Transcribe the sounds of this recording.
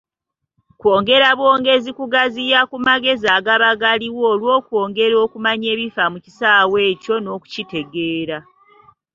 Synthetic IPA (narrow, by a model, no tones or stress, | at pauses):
kwo̞ːŋɡe̞ɾaβwo̞ːŋɡe̞zikuɡazijakumaɡe̞zaːɡaβaɡaliwoːlwo̞ːkwo̞ːŋɡe̞ɾo̞ːkumaɲe̞ːβifamuci̥saːwe̞ːco̞no̞ːku̥cite̞ɡe̞ːɾa